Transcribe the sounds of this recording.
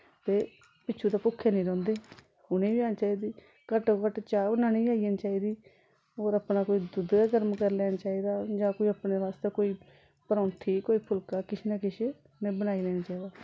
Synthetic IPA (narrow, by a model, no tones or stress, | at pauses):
t̪eː | pɪːʃʰuːd̪aːpʊkʰːeːnĩːɾɔ̃ːnd̪eː | ʊnẽːʋiːaːnːt͡ʃaːiːd̪iː | kəʈokəʈt͡ʃaːonaːnĩːaːijənt͡ʃaːiːd̪iː | oːɾapnaːkoːiːd̪ʊd̪aːkəɾmkəɾlɛːnat͡ʃaːiːd̪aːd͡ʒãːkoːiːəpneːʋaːst̪eːkoːiː | pəɾɔ̃ːnt̪ʰiːkoːiːpʰʊlkaːkɪʃnaːkɪʃe | neːbənaːiːlɛːnaːt͡ʃaːiːd̪aː